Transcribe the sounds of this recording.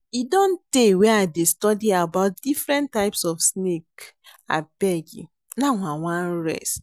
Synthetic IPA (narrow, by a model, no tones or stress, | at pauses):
idõn̩teweadestɔdiabaʊt̚difɾɛ̃ntaɪpsɔfsnek | a̰b̥ɛɡḭ | naŋʷawʷãn̩ɾɛ̰s